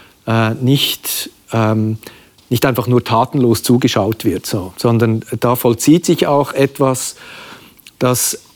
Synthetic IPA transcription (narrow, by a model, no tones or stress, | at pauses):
ʔɛːnɪçt | ɛm | nɪçtaɪnfɑχnuːɐtʰaːtn̩loːst͡suːɡəʃaʊtv̥ɪɐtsoːz̥ɔndɐnd̥aːfɔlt͡siːtsɪçaʊxʔɛtv̥as | d̥as